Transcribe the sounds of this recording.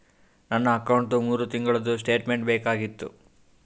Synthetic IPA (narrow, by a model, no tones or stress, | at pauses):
nɐnːɐːkɐwɳʈumuːɾut̪iŋɡɐɭɐd̪us̬ʈe̞ːʈme̞ɳʈbɛːkaːɡit̪ːṵ